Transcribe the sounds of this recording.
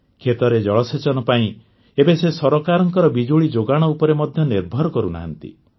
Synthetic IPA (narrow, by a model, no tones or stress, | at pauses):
kʰet̪ɔɾed͡ʒɔɭɔset͡ʃɔnɔpaĩ | ebesesɔɾɔkaɾɔŋkɔɾɔbid͡ʒoɭid͡ʒoɡaɽ̃ɔupɔɾemɔd̪ʱjɔniɾbʱɔɾɔkɔɾuna̰ɦa̰nt̪ḭ